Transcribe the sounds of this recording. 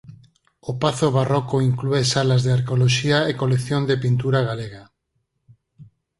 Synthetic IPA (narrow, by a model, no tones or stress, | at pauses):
opaθoβarokoiŋkluesalazðeaɾkeoloʃiaekolekθjond̪epint̪uɾaɣ̞aleɣa